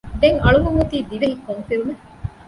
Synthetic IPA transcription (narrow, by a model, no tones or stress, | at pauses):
ɖ̪eŋɐɭuɡuŋut̪iːd̪iʋeɦikːoŋfiɾume